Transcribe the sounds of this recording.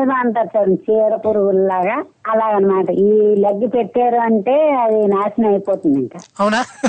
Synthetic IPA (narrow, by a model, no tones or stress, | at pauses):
maːɳʈɐt͡ʃːɐːɾut͡ʃiːɾɐpuːɾuʋullaːɡa | ɐlaːɡɐnːɐmaːʈɐiːlɐɡːipeʈːeːɾuɐɳʈe̞ːɐd̪inaːsɐnɐjpoːt̪und̪iŋkaːɐwna